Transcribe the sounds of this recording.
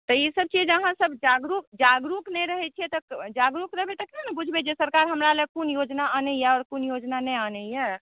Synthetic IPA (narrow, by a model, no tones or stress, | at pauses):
t̪ɔisəb̚t͡ʃid͡ʒəɦãsəbd͡ʒaɡɾukd͡ʒaɡɾuknɛɾəɦɛt͡ʃʰijɛt̪ɔd͡ʒaɡɾukɾəɦbet̪ɔkinanɛbud͡ʒʱbed͡ʒesəɾkaɾɦəmɾaləɡ̚kunjod͡ʒnaanɛjɛɔːɾkunjod͡ʒnanɛanɛijɛ